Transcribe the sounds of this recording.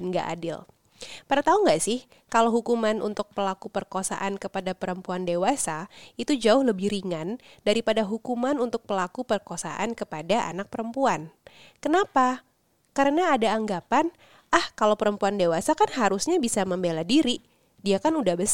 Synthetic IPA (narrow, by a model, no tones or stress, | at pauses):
ŋɡa̰ʔa̰dɪ̰l | padat̪auŋɡaʔsɪh | kalawɦukumanṵnt̪ʊk̚pəlakupərkosa̰ʔankəpadapəɾəmpuandewasait̪ud͡ʒaʊhləbɪhɾiŋan | daɾipadaɦukumanunt̪ʊk̚pəlakupərkosa̰ʔankəpadaʔa̰nak̚pəɾəmpuan | kənapa | kaɾənaːdaːŋɡapan | ʔahkalawpəɾəmpuandewasakanɦaɾusɲabisaməmbeladiɾi | diakanudahbəs